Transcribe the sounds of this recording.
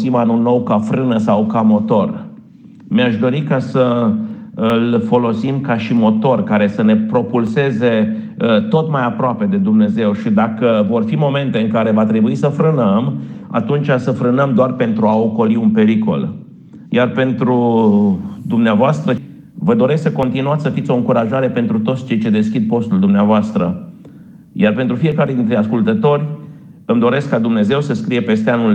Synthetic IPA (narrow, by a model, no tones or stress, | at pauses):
simanulno̞wkafɾɨnəsawkamo̞t̪o̞r | meaʃd̪o̞ɾikasə | ɨlfo̞lo̞simkaʃimo̞t̪o̞rkaɾe̞səne̞pɾo̞pulse̞ze̞ | t̪o̞t̪majapɾoape̞d̪e̞d̪umne̞ze̞wʃid̪akəvo̞rfimo̞me̞nt̪e̞ɨŋkaɾe̞vat̪ɾe̞buisəfɾɨnəma̰t̪unt͡ʃasəfɾɨnəmd̪oarpe̞nt̪ɾuao̞ko̞liunpe̞ɾiko̞̰l | jarpe̞nt̪ɾu | d̪umneavoast̪ɾə | vəd̪o̞ɾe̞ssəko̞nt̪inuat̪ʲsəfit̪sʲo̞ɨŋkuɾaʒaɾe̞pe̞nt̪ɾut̪ot̪sʲt͡ʃe̞jt͡ʃe̞d̪e̞skʲid̪̚po̞st̪uld̪umneavoast̪ɾə | jarpent̪ɾufie̞kaɾe̞d̪int̪ɾe̞askult̪ət̪o̞rʲ | ɨmd̪o̞ɾe̞skːad̪umne̞ze̞wsəskɾije̞pe̞st̪eanul